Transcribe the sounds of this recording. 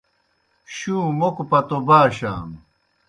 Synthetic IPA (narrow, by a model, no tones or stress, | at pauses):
ɕũːmokpɐt̪obaːɕa̰ːm